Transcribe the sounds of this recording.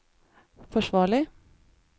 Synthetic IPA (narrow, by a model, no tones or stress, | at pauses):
fɔʃʋɑːɭɪ